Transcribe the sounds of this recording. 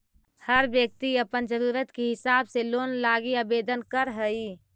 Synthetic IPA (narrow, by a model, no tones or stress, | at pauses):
həɾbjək̚t̪iəpənd͡ʒəɾuɾət̪keɦɪsabselonlaɡiəbed̪ənkəɾɦəi